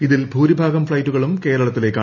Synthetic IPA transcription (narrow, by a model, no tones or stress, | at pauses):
iðilbʱuːɾibʱaːɡɐmfɭɐjtːuɣɐɭumke̞ːɾɐɭɐt̪ːile̞kːaː